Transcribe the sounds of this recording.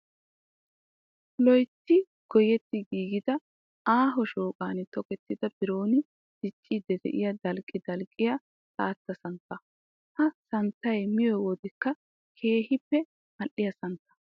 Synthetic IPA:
lɔjt̪ːɪ | ɡ̥ɔjɛt̪ːɪɡiːɡɪd̪ɐ | aːɦɔʃoːkʼaːnɪt̪ɔkɛt̪ːɪd̪ɐbɪɾoːnɪ | d̪̥ɪt͡ʃʼːid̪ɛd̪ɛ̰ʔɪjɐd̪ɐlkʼːɪd̪ɐlkʼːɪjɐ | saːt̪ːɐsɐnt̪ːɐ | hɐsɐnt̪ːɐjmɪjɔjwɔd̪ɛkːɐ | kʰe̞ːhɪpːɛ | mɐʔːɪjɐsɐnt̪ːɐ̥

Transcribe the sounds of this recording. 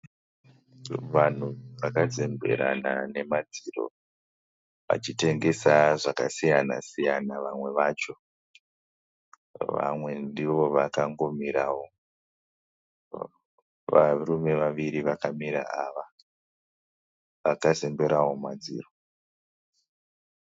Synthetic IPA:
ʋan̤uʋakad͡ze̞mbe̞̰ɾa̰na̰ne̞mad͡ziro̞̰ | ʋa̰t͡ʃite̞ŋɡe̞saʐakasijana̰sijanaʋamwe̞ʋaːt͡ʃo̞ | ʋa̰mwe̞ndiʋo̞ʋakaŋɡo̞miɾawo̞ | ʋarume̞ʋaʋiɾiʋakamiɾa̰aʋa | ʋakaze̞mbeɾawo̞ma̰d͡zḭːro

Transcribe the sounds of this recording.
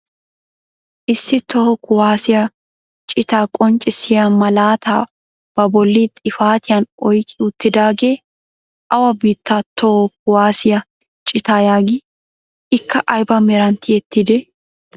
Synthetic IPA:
ʔɪsːɪt̪ɔhɔkːʊwaːsɪjɐ | t͡ʃʼɪt̪aːkʼɔnt͡ʃʼːɪsɪjamɐlaːt̪ʰa̰ː | b̥ɐbɔlːit̪ʼɪfaːt̪ɪjɐnɔjkʼɪʊt̪ːɪd̪aːɡeː | ʔɐwɐbiːt̪ːat̪ɔhɔkʊwaːsɪjɐ | t͡ʃʼɪt̪aːjaːɡɪ | ɪkːɐʔɐjbɐmɛɾɐnt̪ɪɛt̪ːɪd̪ɛ

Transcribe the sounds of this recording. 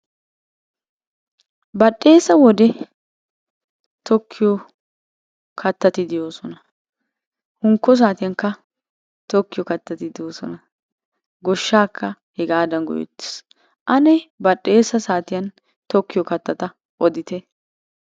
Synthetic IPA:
bɐɗːe̞ːsɐwɔd̪ɛ | t̪ɔkʰːɪjɔ | kʰɐt̪ːɐt̪ɪd̪ɪjoːsɔnɐ | hʊŋkːɔs̬aːt̪ɪjɐŋkːɐ | t̪ɔkːɪjɔkɐt̪ːɐt̪ɪd̪ɪjoːsɔ̰nɐ | ɡɔʃːaːkʰːɐ | hɛɡaːd̪ɐnɡɔ̰jɔ̰t̪ːɪ̥s | ʔɐnɛbɐɗːe̞ːsɐsaːt̪ɪjɐn | t̪ɔkːɪjɔkɐt̪ːɐt̪ɐ | ʔɔd̪ɪt̪ɛ

